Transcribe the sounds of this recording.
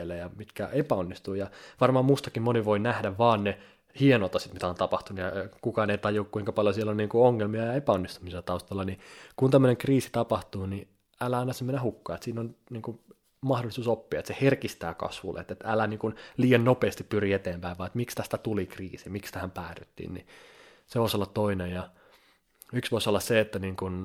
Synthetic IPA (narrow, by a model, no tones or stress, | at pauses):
lːejɑmit̪kæʔepæonːist̪uːjɑʋɑrmɑːmust̪ɑkimmoniʋoinæhdæʋʋɑːnne | hienot̪ɑsit̪mit̪æont̪ɑpɑht̪unujɑkukɑːneit̪ɑjokkuiŋkɑpɑljosielːonniːŋkuoŋːelmiɑjɑepæonːist̪umiselt̪ɑust̪ɑlːɑnikunt̪æmːøneŋkriːsi̥t̪ɑpɑht̪uːni | ælːæɑinɑsemːenæhukːɑːet̪siːnonniːŋku | mɑhdolːˑisuːsopːiɑet̪seherkist̪æːkɑ̰sʋṵlːḛt̪et̪ælæniːŋkunliːjɑnnopeːst̪ippyriet̪eːmpæiʋʋɑiet̪mikst̪æst̪æt̪ulikriːsimikst̪æhæmpæːry̰t̪ːḭnnḭ | seʋoˑisolːɑt̪toinejjɑ | yksʋoisolːɑsseet̪ːæniːŋkun